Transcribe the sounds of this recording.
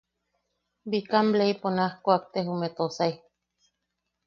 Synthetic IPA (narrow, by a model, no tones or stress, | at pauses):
bikambleiponãhkoak̚t̪eɦumet̪osaj